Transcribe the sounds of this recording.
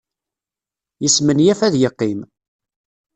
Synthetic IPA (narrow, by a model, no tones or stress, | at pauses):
jəsmənjæfæðjəqːim